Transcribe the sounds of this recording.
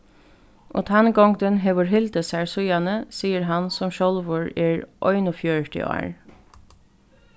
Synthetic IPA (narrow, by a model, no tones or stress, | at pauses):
ʔo̰ːt̪ʰanɡɔŋd̪ənɦeːʋəɹɦɪld̪əsæɹsʊjanəsiːəɾɦansɔmʃɔlʋʊɹɛːɹʔɔʏnʊfjœɹʈɪ̰ʔɑ̰ːɹ